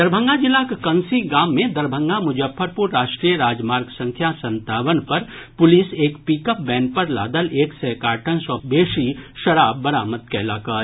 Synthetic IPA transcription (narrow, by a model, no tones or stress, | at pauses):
d̪ɐɾbʱə̃ŋɡad͡ʒɪlːakekɐnsiɡaːmːẽd̪ɐɾbʱə̃ŋɡamʊd͡ʒəfʰːəɾpʊɾɾaːʃʈɾijəɾaːd͡ʒmaːɾɡsɐ̃ŋkʰjasɐ̃nt̪aːʋənpɐɾpʊliseːkpiːkəp̚bɛ̃ːn̚pɐɾla̰ːd̪əleːksɛkaːɾʈʰənswəbeːʃiʃɐɾaːb̚ːɐɾaːmət̪̚kɛːlaːkaː